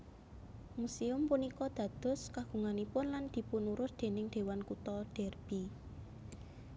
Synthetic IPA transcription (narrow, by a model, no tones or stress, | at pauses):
musiʊmpunikɔd̪̥ä̤d̪̥ɔ̤skaɡ̥ṳŋanipʊnland̪̥i̤punuɾʊsd̪̥e̤nɪŋd̪̥e̤wankut̪ɔɖ̪̥ɛrb̥i